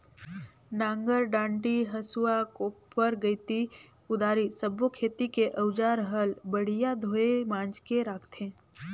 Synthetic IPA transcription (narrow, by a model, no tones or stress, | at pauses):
nãːŋɡəɾɖãːɳɖiɦəsuakopəɾɡəɪt̪ikʊd̪aːɾisəbokʰeːt̪ikeʔəʊd͡ʒaːɾɦəlbəɽ̤ijad̪ʱoːemãːnd͡ʒkeɾaːkʰt̪ʰẽː